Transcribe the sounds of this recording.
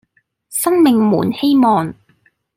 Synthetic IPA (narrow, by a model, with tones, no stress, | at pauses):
sɐ˥ŋmɪ˨ŋmṵː˨˩nhe˥jmɔː˨ŋ